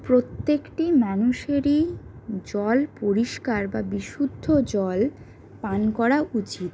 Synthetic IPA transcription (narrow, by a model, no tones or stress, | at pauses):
pɾot̪ːekʈimanuʃeɾid͡ʑɔlpoɾiʃkaɾbabiʃud̪ʱːod͡ʑɔl | pankɔɾaʔut͡ɕit̪